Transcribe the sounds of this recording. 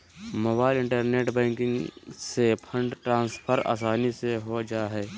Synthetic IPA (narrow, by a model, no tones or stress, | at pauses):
moːbaːɪlɪ̃ɳʈəɾneːʈbɛ̃ːŋkɪ̃ŋɡsepʰə̃ɳɖʈɾãːnspʰəɾa̰ːsaːniseɦod͡ʒaːɦɛː